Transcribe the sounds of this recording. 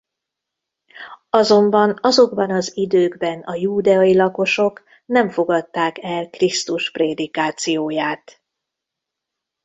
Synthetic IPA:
ɒzo̞mbɒnɒzo̞ɡbɒnɒzid̪øːɡbɛnɒjuːd̪ɛɒjilɒko̞ʃo̞k | nɛɱfo̞ɡɒt̪ːaːkɛlkrist̪uʃpreːd̪ikaːt̪sijoːjaːt̪

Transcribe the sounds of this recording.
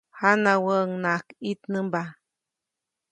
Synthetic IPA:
hanawəŋnakit̪nəmba

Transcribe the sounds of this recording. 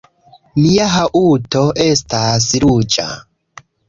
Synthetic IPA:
miaɦaʔutoʔestasɾud͡ʒa̰

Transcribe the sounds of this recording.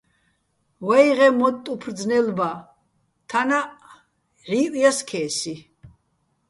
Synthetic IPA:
wajʁɛmɔtt̪ʼupʰrd͡znɛlba | t̪ʰana | ʕiːʔʼijaskʰɛːsi

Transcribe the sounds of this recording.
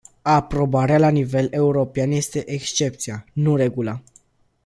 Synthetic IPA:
apɾo̞baɾealanive̞le̞uɾo̞peanje̞st̪e̞ʔekst͡ʃe̞p̚t̪sianuɾe̞ɡula

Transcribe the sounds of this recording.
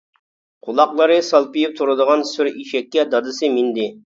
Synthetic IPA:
qʰulˠɑqlˠəɾɨsɑlˠpɨjip̚t̪ʰuɾɨd̪əʁɑnsyɾiʃɛkʲːɛd̪ɑd̪ɨsɨmind̪ɪ

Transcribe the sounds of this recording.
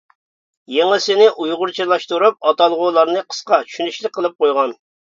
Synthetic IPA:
jeŋɪsɪnɪʔujʁʊɾt͡ʃʰilˠɑʃt̪uɾup̚ɑt̪ɑlˠʁʊlˠɑɾnɨqʰə̥sqɑt͡ʃʰy̥ʃynyʃlɪk̚ʲqʰːəlˠɨp̚qʰojʁɑn

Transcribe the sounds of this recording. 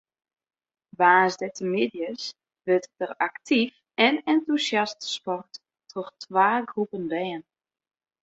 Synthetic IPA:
ʋaːzdɛtʰəmɪdjəs | ʋøtdəraktʰif | ɛnɛntusjastspɔrt | tʰɔχtʰʋaːɡrupəndɛːən

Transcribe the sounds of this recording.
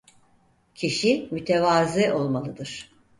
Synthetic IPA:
cʰiʃimyt̪ʰevaːziʔo̞lˠmalˠɯd̪ɯɾ̥

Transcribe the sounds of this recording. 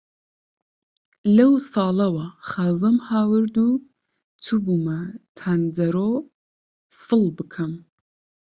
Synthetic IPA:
lɐwsɑːlˠɐwɐχaːzɐmhaːwɨɾd̪u | t͡sʰubuːmɐt̪ʰand̪ɐɾo | fɨlˠbɨkʰɐm

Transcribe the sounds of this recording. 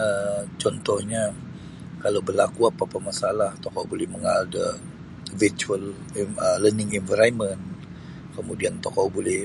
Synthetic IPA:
ət͡ʃɔnt̪ɔhɲa | kalawbərla̰kuapapamasalaht̪ɔkɔbolɛhməŋaldə | vit͡ʃuəl | ələnɪŋɛnvəɾajmən | kəmudiant̪ɔkɔbolɛh

